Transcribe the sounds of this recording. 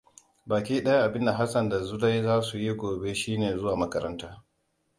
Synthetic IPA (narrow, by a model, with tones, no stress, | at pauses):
baː˨kʲiː˦ɗɐ˦ja˦ʔa˨bɪ˦nda˨ɦa˦sɐ˨nda˨zu˦da˦jzaː˦su˨ji˦ɡʷoː˨be˦ʃiː˦neː˨zʊ˦waː˨mɐ˦kɐ˦ɾɐ̰˦ntaː˦